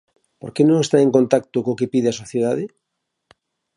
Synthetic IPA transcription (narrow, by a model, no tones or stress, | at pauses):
poɾkenõŋest̪aeŋkont̪ak̚t̪ʊkokepiðeɐsoθjeðaðɪ